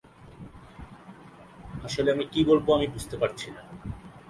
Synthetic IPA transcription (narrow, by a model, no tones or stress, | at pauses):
aʃoleamikibolboamibud͡ʑʱt̪epaɾt͡ɕʰina